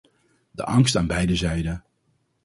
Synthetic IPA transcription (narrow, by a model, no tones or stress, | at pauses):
də̰ʔɑŋstaːnbɛjdəzɛjdə